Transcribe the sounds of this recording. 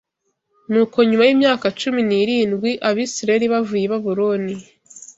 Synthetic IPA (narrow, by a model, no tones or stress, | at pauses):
nuːko̞ɲumajiːmɲaːkat͡ʃuminiːɾiːnɡwiʔaβiːsiɾaeɾiβavujeβaβuɾoni